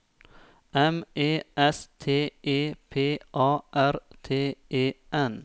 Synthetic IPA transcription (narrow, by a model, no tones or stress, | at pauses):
ʔɛmeːʔɛst̪ʰeːeːpʰeːʔɑːʔæɾt̪ʰeːeːʔɛn